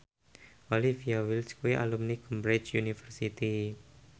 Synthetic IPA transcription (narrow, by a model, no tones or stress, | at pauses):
ʔolifiawilskuwiʔa̰lumnikəmbɾit͡ʃjunifərsit̪i